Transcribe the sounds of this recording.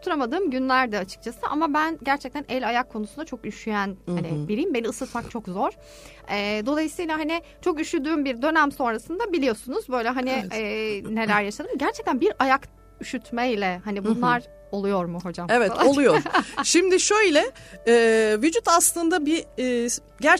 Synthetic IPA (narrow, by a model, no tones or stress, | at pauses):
t̪ʰuɾamad̪ɯːmɟynlʲæɾd̪ɛat͡ʃʰɯ̥k̚t͡ʃʰasɯʔamabænɟæɾt͡ʃʰɛc̚t̪ʰænɛlʲajakʰːo̞nusund̪at͡ʃʰo̞kyʃyjænhanibiɾijimbe̞niɯsɯt̪mak̚t͡ʃʰo̞kzo̞ɾ̥ | ɛːd̪o̞lˠajɯsɯjlʲˠaɦanɪ | t͡ʃʰo̞kyʃyd̪yːmbiɾd̪ø̞næmso̞nɾasɯnd̪abilʲijo̞sunuzbø̞jlʲɛɦaniɛːne̞lʲæɾjaʃad̪ɯmɟæɾt͡ʃʰɛc̚t̪ʰænbiɾajak | yʃyt̪ʰmɛlʲɛhanibunlˠaɾ | o̞lˠujo̞ɾmʊɦo̞d͡ʒamevɛtalˠaolˠujo̥ʃimd̪ɪʃøjlʲɛɛːvyd͡ʒut̪aslˠɯnd̪abiː | ɟæɾ